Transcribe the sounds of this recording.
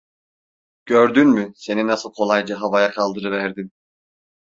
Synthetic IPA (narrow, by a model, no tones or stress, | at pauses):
ɟ̥øɾd̪ynmyse̞ninasɯlˠkʰo̞lˠajd͡ʒaɦavajakʰalˠd̪ɯɾɯvæɾd̪im